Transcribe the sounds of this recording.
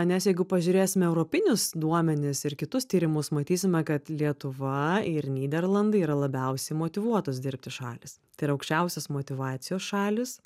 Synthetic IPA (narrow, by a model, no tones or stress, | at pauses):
nʲɛsjɛɪɡʊpɐʒʲʊːɾʲeːsʲɪmʲɛɛʊɾoːpʲɪnʲʊsd̪uɔmʲɛnʲɪsɪɾkʲɪt̪ʊst̪ʲiːɾʲɪmʊsmɐt̪ʲiːsʲɪmʲɛkɐt̪lʲiɛt̪ʊʋɐɪɾnʲiːd̪ʲɛrlˠɐnd̪ɐɪiːɾɐlˠɐbʲɛʊsʲɛɪmoːt̪ʲɪʋuɔt̪oːsd̪ʲɪɾʲp̚ʲt̪ʲɪʃɑ̰ːlʲɪst̪ɐɪɾɐɐʊkʃʲt͡ʃʲɛʊsʲɛsmoːt̪ʲɪʋɑːt̪sʲɪjoːsʃɑːlʲɪs